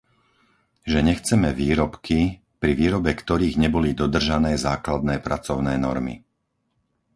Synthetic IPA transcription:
ʒɛɲɛxt͡sɛmɛʋiːɾɔpkʰi | pɾiʋiːɾɔbɛkt̪ɔɾiːɣɲɛbɔlid̪ɔd̪r̩ʒanɛːzaːklad̪nɛːpɾat͡sɔʊnɛːnɔ̰ɾmḭ

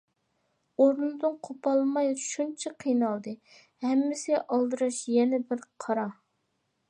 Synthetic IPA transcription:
oɾnɨd̪ɨnqʰopʰɑlˠmɑjʃunt͡ʃʰɛqʰijnɑlˠd̪ɨ | hɛmːɪsɪɛʔɑlˠd̪ɨɾɑʃjɛnɛbɪɾqʰɑɾɑ

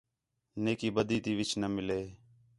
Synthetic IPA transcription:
neːkiːbəd̪iːt̪iːʋɪt͡ʃnəmɪleː

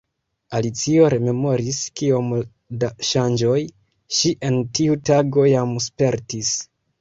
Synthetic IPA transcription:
alit͡sio̞ɾe̞me̞mo̞ɾiskio̞m | daʃand͡ʒo̞j | ʃiʔe̞ntiutaɡo̞jamspe̞ɾtis

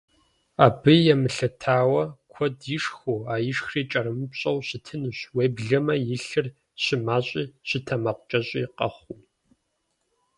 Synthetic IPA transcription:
aːbɨjɛmɨɬɐtʰaːwɐkʷʰɔdjɪʂxuaːjɪʂxriːt͡ʃʼɐɾɨmɨpɕʼɐwɕɪtʰɨnɨɕweːbɮɐmɐjɪɬɨr | ɕɪmaːɕʼiːɕɪtʰɐmɐqʷʊt͡ʃʼɐɕʼiːqɐ̰χʷu

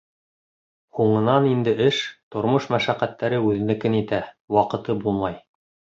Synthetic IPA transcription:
huɴɤ̆nɑnind̪ɘʔɘʃt̪ŏɾmoʃmæʃæqːæt̪ːæɾɘʉðɘ̆nɘ̆kɘnit̪æ | wɑqɤ̆t̪ɤbulˠmɑj

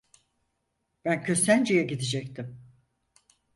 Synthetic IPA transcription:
b̥æncʰø̞sænd͡ʒejɛɟid̪id͡ʒɛc̚t̪ʰim

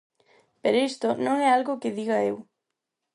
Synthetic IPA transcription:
peɾoist̪onõŋɛalɣʊkɪðiɣɐew

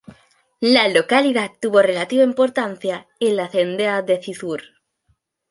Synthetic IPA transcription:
lalokaliðat̪uβorelat̪iβaimpoɾt̪an̟θja | enlaθend̪eaðeθiθuɾ

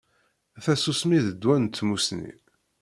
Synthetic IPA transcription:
θæsusmiðəd̪ːwænt̪ːmusnḭ

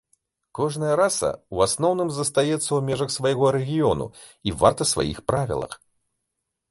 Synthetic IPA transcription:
kɔʐnɨjɐɾasɐ̰uasnɔwnɨmzɐst̪ajɛt̪sːɐwmʲɛʐɐxsvajɣɔɾɛɣʲijɔnṵ | ivart̪ɐsva̰jḭxpɾavʲḭlˠɐ̰x

